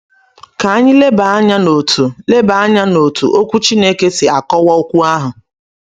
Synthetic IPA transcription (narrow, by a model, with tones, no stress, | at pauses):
ka˨a˦ɲɪ˦le˦ba˨a˦ɲa˦no˨tʰu˨le˦ba˨a˦ɲa˦no˨tʰu˨ʔo˦kʷu˦t͡ʃi˦ne˦ke˦sɪ˨a˨kɔ˦wɔ˦o˦kʷu˦a˦ɦʊ˨